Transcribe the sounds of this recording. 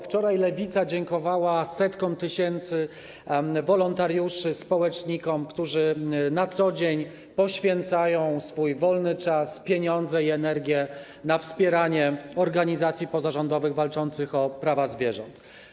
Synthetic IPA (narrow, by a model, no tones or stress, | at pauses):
ft͡ʂɔɾajlɛvʲit̪sad͡ʑɛŋkɔvawasɛt̪kɔ̃w̃t̪ɘɕɛnt̪sɘ | vɔlɔnt̪aɾjuʂɘspɔwɛt͡ʂɲikɔmkt̪uʐɘnat̪sɔd͡ʑeɲ | pɔɕfʲjɛnt̪sajɔ̃w̃sfujvɔlnɘt͡ʂaspʲjeɲɔnd̪zɛiɛnɛɾɡʲjɛ | nafspʲjɛɾaɲɛɔɾɡaɲizat̪sʲjipɔzaʐɔnd̪ɔvɘɣvalt͡ʂɔnt̪sɘxɔpɾavazvʲjɛʐɔnt̪